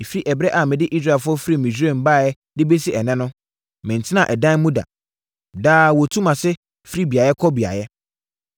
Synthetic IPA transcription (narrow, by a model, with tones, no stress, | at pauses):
e˨fi˦ʔɛ˨bɾɛ˦ʔa˨mɪ̃˨dɪ˦ʔi˦s̬ɾa˦˨fʊ˦ɔ˦fɾi˦˨mĩ˨se˦˨m̩˨baː˦˨jɛ˦ | dɪ˦be˦si˦ɛ˨nɛ̃˦nʊ̃˦ | mɪ̃˨n̩˨tʰɪ˦nã˨ʔɛ˨dã˦n˦mũ˦da̰˨ | daː˦wɔ˨tʰũ˦mã˨sɪ˦ | fi˦ɾi˦bi˨a˨jɛ˦kʰɔ˦bi˨a̰˨jɛ˦